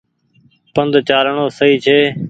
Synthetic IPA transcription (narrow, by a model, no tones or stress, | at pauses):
pənd̪ʱt͡ʃaːɾɳoːsəiːt͡ʃʰeː